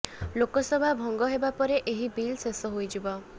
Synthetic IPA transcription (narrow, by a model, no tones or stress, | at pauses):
lokɔsɔbʱabʱɔŋɡɔɦebapɔɾeʔeɦibilsesɔɦojd͡ʒibɔ